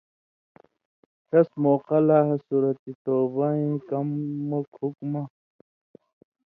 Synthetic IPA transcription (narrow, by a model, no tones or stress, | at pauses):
ɕɐsmoːqɐlaːɦɐsuːɾɐt̪it̪oːbaĩkɐmːokhukma